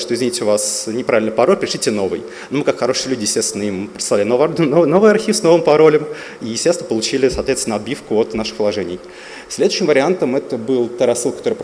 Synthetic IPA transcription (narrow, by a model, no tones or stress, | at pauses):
ʂt̪oɪzvʲɪnʲit̪ʲʊvasnʲɪpɾavʲɪlʲnəpɐɾolʲpɪɾʲɪʂlʲitʲɪno̞vɨ̰j | nomɨkakxɐɾo̞ʂɨjəlʲʉdʲɪjɪsʲtʲesʲɪnəimpɾɪt̪slˠalʲɪnovnono̞vɨjɐrxʲifsno̞vɨmpɐɾo̞lʲəm | ijɪst̪ʲesʲɪnəpəlˠʊt͡ɕilʲɪsɐt̪vʲet̪ʲɪnəɐbʲifkʊot̪naʂɨ̥xpəlˠɐʐɛnʲɪ̰j | sʲlʲed̪ʊɕːɪmvəɾʲɪant̪əmɛt̪əbɨlˠt̪aɾɐsːɨlˠkt̪oɾəjəp